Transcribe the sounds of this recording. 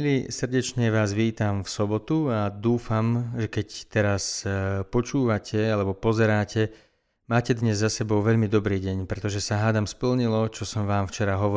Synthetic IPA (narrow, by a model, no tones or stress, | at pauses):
lisrɟɛt͡ʃɲɛʋaːzʋiːt̪amfsɔbɔt̪uad̪uːfamʒɛkɛct̪ɛɾaspɔt͡ʃuːʋacʰɛalɛbɔpɔzɛɾaːcɛ | maːcɛd̪ɲɛzːasɛbɔʊʋɛʎmid̪ɔbɾiːɟɛɲpɾɛt̪ɔʒɛsaɦaːd̪amspl̩ɲilɔt͡ʃɔsɔmʋaːmft͡ʃɛɾaɦɔʋɔ